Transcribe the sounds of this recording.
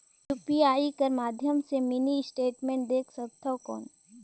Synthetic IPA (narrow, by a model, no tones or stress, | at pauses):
juːpiaːikəɾmaːd̪ʱjəmsemɪniɪsʈeːʈmẽːɳʈ̚d̪eːkʰsɐt̪ʰːɔkɔ̰ːn